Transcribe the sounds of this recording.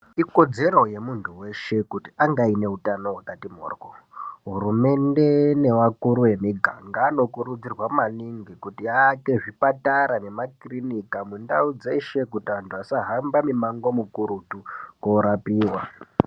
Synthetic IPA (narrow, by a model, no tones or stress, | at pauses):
iko̞d͡ze̞ro̞je̞muntʰuwe̞ʃe̞kutiaŋɡaine̞ɦutano̞watatimo̰ːrɡoɦuɾume̞nde̞ne̞ʋakuɾuwe̞miɡʱaŋɡaːno̞kuɾud͡zirwaumaniŋɡikutiaːke̞ʐipataɾane̞makrinikamundaud͡ze̞ʃe̞kutiantʰuasaɦambamimaŋɡo̞mukuɾutukoɾapiːwa